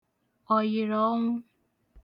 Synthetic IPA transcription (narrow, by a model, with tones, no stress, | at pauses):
ɔ˨jɪ˨ɾɔ˨˦ŋʷʊ˦